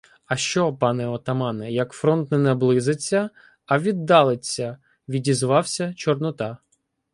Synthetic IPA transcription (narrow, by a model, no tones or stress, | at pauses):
ɐʃt͡ʃɔpɑnɛɔt̪ɐmɑnɛjɐkfɾɔnt̪nɛnɛblˠɪzɪt͡sʲːɐ | ɐʋʲid̪ːɑlˠɪt͡sʲːɐ | ʋʲidʲizʋɑwsʲɐt͡ʃɔrnʊt̪ɑ